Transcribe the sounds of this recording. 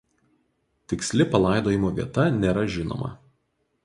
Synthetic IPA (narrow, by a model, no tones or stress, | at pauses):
t̪ʲɪksʲlʲɪpɐlˠɑˑɪd̪oːjɪmoːʋʲḭɛt̪ɐnʲeːɾɐʒʲɪno̰ːmɐ̰